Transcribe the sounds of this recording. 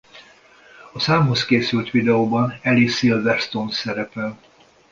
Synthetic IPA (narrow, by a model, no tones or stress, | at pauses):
ɒsaːmɦo̞skeːsylt̪ʋid̪ɛoːbɒnɛlisilvɛst̪onsɛɾɛpɛl